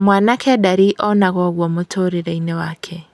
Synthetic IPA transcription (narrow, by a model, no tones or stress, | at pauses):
mwaːnakʰɛdaɾiʔɔnaɣɔɣwɔmotʰoɾiɾainɛwaːkʰɛ